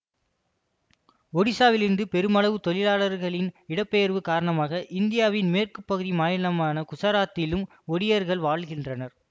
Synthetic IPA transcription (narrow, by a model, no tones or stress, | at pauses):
ɔɽɪsaːʋɪlɪnd̪ɯpɛɾɯmɐɭɐʋɯt̪ɔlɪlaːɭɐɾɣɐɭɪnɪɽɐpːejɐɾʋɯkaːɾɐɳɐmaːɣɐʔɪnd̪ɪjaːʋɪnmeːrkɯpːɐɣɯðimaːjɐlɐmaːnɐkʊsɐɾaːt̪ːɪlɯm | ɔɽɪjɐɾɣɐɭʋaːɭɣɪndrɐnɐɾ